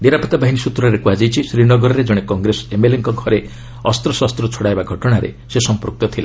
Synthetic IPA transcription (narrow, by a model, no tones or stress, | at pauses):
niɾapɔt̪abaɦinisut̪ɾɔɾekuad͡ʒajt͡ʃʰisɾinɔɡɔɾɔɾed͡ʒɔɽ̃ekɔŋɡɾesemeleŋkɔɡʱɔɾe | ɔst̪ɾɔsast̪ɾɔt͡ʃʰoɽajbaɡʱɔʈɔɽ̃aɾḛ | sesɔmpɾuk̚t̪ɔt̪ʰila